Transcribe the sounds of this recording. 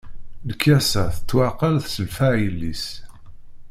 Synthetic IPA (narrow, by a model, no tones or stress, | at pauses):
ləkːæsæθət͡sːwaqənθsəlfæʕjəlːḭs